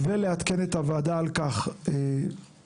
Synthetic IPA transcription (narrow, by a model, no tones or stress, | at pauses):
veleat̪ke̞net̪avaːd̪aːlkaχe